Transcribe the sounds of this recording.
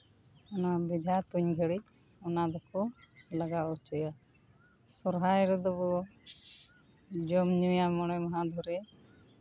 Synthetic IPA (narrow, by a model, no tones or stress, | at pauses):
ɔnabid͡ʒʱat̪uɲɡʱəɽi | ɔnad̪ɔkɔlaɡaɔt͡ʃɔja | sɔɾɦajɾɛd̪ɔbɔ | d͡ʒɔmɲujamɔɽ̃ɔmɔɦad̪ʱɔɾɛ